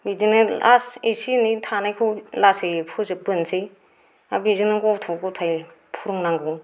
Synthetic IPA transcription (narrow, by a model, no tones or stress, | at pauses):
bidinɯasesinitʰanajkʰulasejpʰuzɯbɯnsej | abizinɯɡɔtʰɔɡɔtʰaj | pʰuɾɯŋnaŋɡu